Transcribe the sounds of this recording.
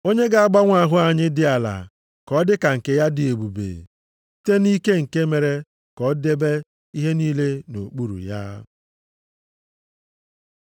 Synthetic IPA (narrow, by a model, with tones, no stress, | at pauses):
o˦ɲe˦ɡa˨a˦ɡ͡ba˦ŋʷa˦˨ɦʊ˦a˨ɲɪ˦dɪ˨a˨la̰˨ | kɔ˨˦dɪ˦ka˨ŋ̩˨ke˨ja˦dɪ˨e˨bu˨bḛ˨˦ | te˦ni˦ke˦ŋ̩˨ke˦me˨ɾe˦ | kɔ˦de˦be˦ | i˦ɦe˦niː˦le˦no˨k͡pu˦ɾṵ˨ja̰˦